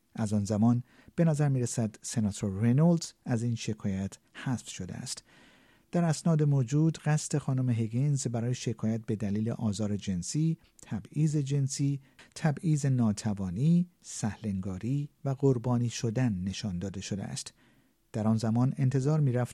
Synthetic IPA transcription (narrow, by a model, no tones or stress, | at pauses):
ʔæzɒːnzæmɒːn | b̥e̞næzæɾmiːɾesæd̪se̞nɒːt̪ʰoɾːenold̪æziːnʃe̞kʰɒːjæt̪ʰ | hæsfʃo̞d̪ḛæ̰st̪ | d̪̥æɾæsnɒːd̪e̞moːd͡ʒuːd̪ɢæst̪ʰe̞xɒːnomeɦeɡinzbæɾɒːjeʃe̞kʰɒːjæt̪̚be̞d̪æliːlḛʔɒːzɒːɾe̞d͡ʒe̞nsiː | t̪ʰæbiːze̞d͡ʒe̞nsiːt̪ʰæbiːze̞nɒːt̪ʰævɒːniːsæhleŋɡɒːɾiːvæɡoɾbɒːniːʃo̞d̪ænːe̞ʃɒːnd̪ɒːd̪e̞ʃo̞d̪ḛæ̰st̪ | d̪̥æɾɒːnzæmɒːne̞nt̪ʰe̞zɒːɾmiːɾæft̪